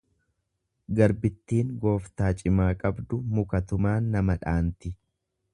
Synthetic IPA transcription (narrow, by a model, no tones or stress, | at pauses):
ɡɐɾbɪt̪ːiːŋɡo̞ːft̪aːt͡ʃʼɪmaːkʼɐbd̪ʊmʊkɐt̪ʊmaːnːɐmɐᶑaːnt̪ɪ